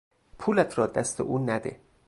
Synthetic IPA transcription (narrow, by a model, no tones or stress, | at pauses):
pʰuːlæt̪ʰɾɒːd̪æst̪ḛʔuːnæd̪ḛ